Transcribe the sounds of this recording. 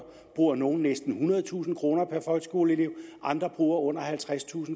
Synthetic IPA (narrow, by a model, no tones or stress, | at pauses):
b̥ʁuːɐno̝ːn̩nesd̥n̩hunɐð̞ˠt͡sʰṵːsn̩kʰʁo̝ːnɐpʰæɐfɒ̽lɡ̥sɡ̥o̝̰ːlile̝ʊ̰ʔɑ̈nd̥ʁɐb̥ʁuːɐɔ̽n̰ɐhælt͡sʰʁast͡sʰṵːsn̩